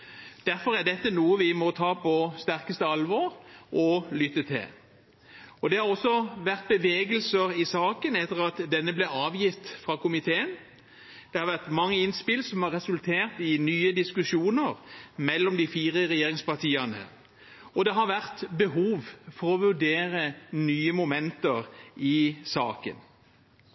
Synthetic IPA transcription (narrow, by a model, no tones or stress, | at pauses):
d̪̥æɾfɔɾæd̪ɛt̪ːənuːəʋɪmɔt̪ʰɑːpʰɔst̪æʁkəst̪əɑlʋɔɾʔɔlʏt̪ːət̪ʰɪ̰l | ɔd̪ɛhɑʁɔsːɔʋæʁt̪̚bəʋeːɡəlsəɾɪsɑːkənɛt̪ːəʁɑt̪d̪ɛnːəblɛɑːʋjɪft̪fʁɑːkʊmɪt̪ʰeːən | d̪̥ɛhɑɾʋæʁt̪mɑŋːəɪnspɪlsɔmhɑʁɛsʉlt̪ʰeːʁt̪ɪnyːəd̪ɪskʉʃuːnəʁmɛlːɔmd̪ɪfiːʁəɾɛjeːʁɪŋspɑʁt̪ʰiːɑnə̰ | ɔd̪ɛɦɑɾʋæʁt̪bəɦuːʋfɔɾɔʋʉɖeːɾənyːəmʊmɛnt̪əʁɪsɑ̰ːkə̰n